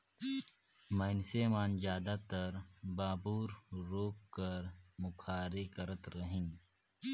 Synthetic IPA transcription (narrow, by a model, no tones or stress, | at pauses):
mɐɪnseːmaːnd͡ʒaːd̪at̪əɾbaːbuːɾɾoːkːəɾmʊkʰaːɾekəɾət̪ɾɐɦĩŋ